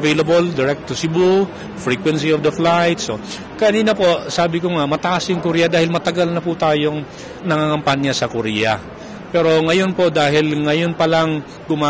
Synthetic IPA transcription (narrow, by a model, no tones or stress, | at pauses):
vejlɐbold̪ɪɹɛk̚t̪ːʊsɪbu | fɹiːkwɛnsiofd̪ɐflajt̪so | kɐniːnɐpo̞saːbɪkoŋaʔmɐt̪ɐʔasjʊŋkʊɾiːjɐd̪aːhɪlmɐt̪ɐɡalnɐput̪aːjoŋ | nɐŋaːŋɐmpanjasɐkʊɾiːjɐ | pɛːɾo̞ŋɐjo̞npo̞ʔd̪aːɦɪlŋɐjo̞npɐlaŋ | ɡʊmaː